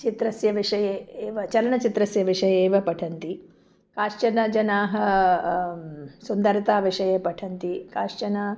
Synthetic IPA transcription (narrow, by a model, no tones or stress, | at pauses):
t͡ʃit̪ɾɐsjɐʋiʂɐjeeːʋɐt͡ʃɐlɐɳɐt͡ʃit̪ɾɐsjɐʋiʂɐjɐeːʋɐpɐʈʰɐnt̪i | kaːʂt͡ʃɐnɐd͡ʒɐnaːɦɐ | sund̪ɐɾt̪aːʋiʂɐjɐpɐʈʰɐnt̪ikaːʂt͡ʃɐnɐ